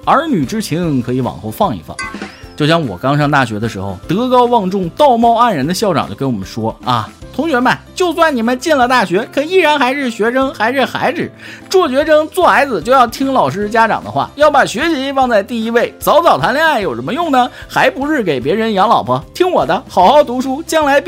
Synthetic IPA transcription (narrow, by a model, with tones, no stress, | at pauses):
ə˞˧˥ny˨˩ʈ͡ʂɻ̩˥t͡ɕʰi˧˥nkʰɤ˧˥i˧˥wɑ̰˨˩ŋxo˥˧ʊfɑ˥˧ŋḭ˧˩fɑ̰˥˩ŋt͡ɕjo˥˧ʊɕ̬jɑ˥˩ŋwɔ̰˨˩kɑ˥ŋʂɑ˥ŋt̪a˥˩ɕɥɛ˧˥d̪ə˧ʂɻ̩˧˥xo̰˧ʊt̪ɤ˧˥kɑ˥ʊwɑ˥˧ŋʈ͡ʂʊ˥˧ŋt̪ɑ˥˧ʊmɑ˥˧ʊa˥˩nɻə˧˥nd̪ə˧ɕjɑ˥˩ʊʈ͡ʂɑ̰˨˩ŋt͡ɕo˥˩ke˧˥ɪwɔ̰˨˩mə̰˦ʂwɔ˥ɐ̰˧˩t̪ʰʊ˧˥ŋɕɥɛ˧˥mɐ˧˩t͡ɕjo˥˧ʊswa˥˩nni˨˩mə˦nt͡ɕɛ˥˩nlə˨˩t̪a˥˩ɕɥɛ˧˥kʰə˧˥i˥˩ɻa˧˥nxa˧˥ɪʂɻ̩˥˩ɕɥɛ˧˥ʂʰɤ˥ŋxa˧˥ɪʂɻ̩˥˩xa̰˧˥ɪd͡zɹ̩˨˩˦ʈ͡ʂwɔ˥˩ɕɥɛ˧˥ʈ͡ʂʰɤ˥ŋt͡swɔ˥˩xa˧˥ɪd͡zɹ̩˨t͡ɕjo˥˧ʊjɑ˥˩ʊt̪ʰi˥ŋlɑ˨˩ʊʂ̬ɻ̩˥t͡ɕja˥ʈ͡ʂɑ̰˨˩ŋd̪ə̰˦xwa̰˥˩jɑ˥˩ʊpa˨˩ɕɥɛ˧˥ɕi˧˥fɑ˥˧ŋt͡sa˥˧ɪt̪i˥˩i˧˥we˥˩ɪt͡sɑ˧˥ʊt͡sɑ˨˩ʊt̪ʰa˧˥nljɑ˥˧ŋa˥˩ɪjo˨˩ʊʂə˧˥mə˧jʊ˥˩ŋnə˩xa˧˥ɪpu˧˥ʂɻ̩˥˩k̬e˨˩ɪpjɛ˧˥ɻə˧˥njɑ˧˥ŋlɑ˨˩ʊpʰə˧˥t̪ʰi˥ŋwɔ˨˩d̪ə˦xɑ˨˩ʊxɑ˥˩ʊt̪u˧˥ʂu˥t͡ɕjɑ˥ŋla˧˥ɪp